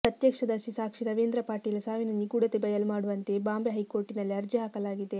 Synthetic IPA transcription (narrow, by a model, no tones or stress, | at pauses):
pɾɐt̪jɐkʂɐd̪ɐʃisaːkʂiɾɐʋeːnd̪ɾɐpaːɾʈijɐlɐsaːʋinɐniɡuːɽɐt̪ebɐjɐlumaːɽuʋɐnt̪e̞baːmbjɐɦɐjkoːɾʈinɐlːiɐɾd͡ʒɐɦaːkɐlaːɡid̪e̞